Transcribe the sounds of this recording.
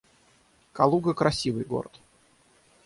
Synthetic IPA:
kɐlˠuɡəkɾɐsʲivɨjɡo̞̰ɾət̪

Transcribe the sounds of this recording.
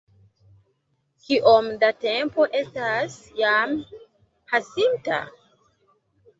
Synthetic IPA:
kiʔomdate̞mpo̞ʔe̞stasjam | pʰasinta̰

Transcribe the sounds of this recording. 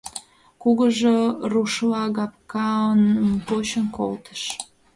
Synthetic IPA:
kuɣəʒeruʃlɑɣɑp̚kɑənpoɕənko̰lt̪ə̥ʃ

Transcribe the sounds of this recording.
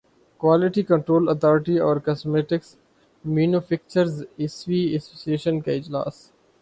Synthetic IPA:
kʋaːlɪʈikə̃ɳʈɾoːlət̪ʰɔːɾɪʈiɔːɾkɐsmeːʈɪks | mjuːnufʰɪk̚t͡ʃəɾzɪsʋiːɛsoːsieːʃənkaɪd͡ʒla̰ːs

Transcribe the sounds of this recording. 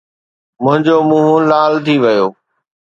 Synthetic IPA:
mʊ̃ɦɪ̃ɲd͡ʑoːmũːɦũlaːlt̪ʰiʋɐjoː

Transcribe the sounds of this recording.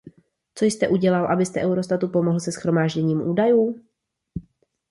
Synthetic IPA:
t͡so̞jst̪ɛʔuɟɛlalʔabɪst̪ɛʔɛwɾo̞st̪at̪upo̞moɦl̩sɛsxɾo̞maːʒɟɛɲiːmʔuːdajuː

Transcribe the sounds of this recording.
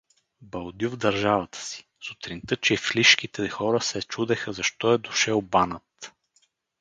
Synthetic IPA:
bɐlˠd̪juvd̪ɐɾʒavət̪ʰə̥si̥ | sut̪ɾint̪ɤt͡ʃɛfliʃk̟it̪ɛxɔɾəsɛt͡ʃud̪ɛxəzɐʃt̪ɔɛd̪ʊʃɛlˠbanət̪

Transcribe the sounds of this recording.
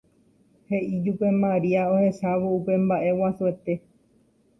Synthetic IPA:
he̞ʔid͡ʒupe̞mãɾiaohe̞saʋoupe̞mbaʔe̞wasue̞t̪e̞

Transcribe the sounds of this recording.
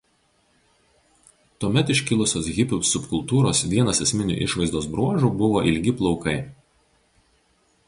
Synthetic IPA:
t̪uɔmʲɛt̪ɪʃʲkʲɪlˠʊsʲoːsɣʲɪpʲʊsʊpkʊlˠt̪uːɾoːsʋʲiɛnɐsɛsʲmʲɪnʲʊ̰ːʔɪʃʋɐɪzd̪oːs̬bɾuɔʒuːbʊʋoːʔɪlʲɡʲɪplˠɒʊkɐɪ

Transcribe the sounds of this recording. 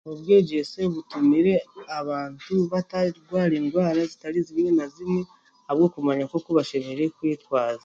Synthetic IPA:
obɡe̞ːɟe̞se̞βutumiɾe̞aβaːntuβataɡwaːɾenɡwaːɾazitaɾizimŋenazine | aβɡo̞kumaɲako̞koβaʃeɾeɾe̞kwiːtwaːza

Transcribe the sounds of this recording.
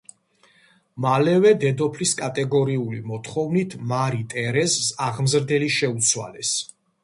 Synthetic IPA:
malɛvɛd̪ɛd̪ɔpʰliskʼat̪ʼɛɡɔɾiulimɔt̪χɔvnit̪ʰmaɾit̪ʼɛɾɛssaʁmzɾd̪ɛliʃɛut̪sʰwa̰lɛs

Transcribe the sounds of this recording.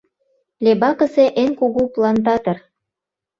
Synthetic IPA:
lʲebɑkə̆seʔenkuɣuplɑnt̪̬ɑt̪ɤ̆r

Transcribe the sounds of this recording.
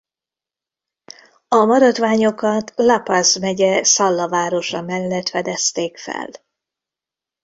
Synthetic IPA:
ɒmɒɾɒd̪ʋaːɲo̞kɒt̪lapazmɛɟɛsɒlːɒvaːɾo̞ʃɒmɛlːɛt̪fɛd̪ɛst̪eːkfɛ̰l

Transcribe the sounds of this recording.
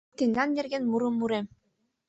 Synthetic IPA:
t̪ind̪ɑnːeɾɡʲenmuɾɯmːuɾem

